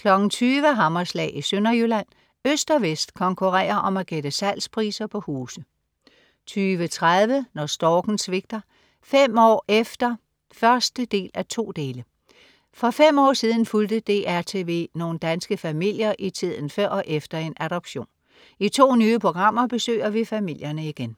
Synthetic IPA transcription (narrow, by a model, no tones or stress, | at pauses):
kʰlɒ̽ɡ̥n̩t͡sʰyːʋəɦɑ̈mɐslɛ̰ːʔisønɐjølæn̰ | øsd̥ɒʋesd̥kʰɒ̽ŋkʰuʁɛ̰ːɐʔɒ̽mæɡ̥ed̥əsæl̰spʰʁḭːsɐpʰɒ̽huːsð̩ | t͡sʰyːʋət͡sʰʁaðˠʋənɒsd̥ɒːɡ̥n̩sʋe̝ɡ̥̚d̥ɐ | fem̰ɒ̰ːʔefd̥ɐ | fɶɐsd̥əd̥e̝̰ːlʔæt͡sʰo̝̰ːd̥e̝ːlə | fɒ̽fem̰ɒ̰ːsið̞ˠn̩fuld̥əd̥e̝ːʔæɐt͡sʰe̝ʋe̝no̝ːn̩d̥ænsɡ̥əfæmil̰jɐʔit͡sʰið̞̰ˠn̩fɶɐ̰ʔefd̥ɐe̝nʔæɾ̥ɒ̽b̥ɕo̝̰ːn | it͡sʰo̝̰ːnyːəpʰʁo̝ɡ̥ʁɑ̈m̰ɐb̥e̝sø̰ːɐʋifæmil̰jɐnəiɡ̥en